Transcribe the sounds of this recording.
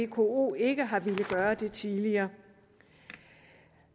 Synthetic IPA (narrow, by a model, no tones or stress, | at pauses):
e̝kʰo̝̰o̝̰ːe̝ɡ̥əɦɑ̈ʋe̝ləɡ̥ɶːɐd̥e̝t͡sʰiðˠliɐː